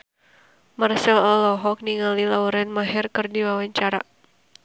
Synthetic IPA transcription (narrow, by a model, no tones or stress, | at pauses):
marsɛlɔlɔɦɔk̚niŋalilauɾɛnmaɦɛrkɨrdiwawaɲt͡ʃaɾa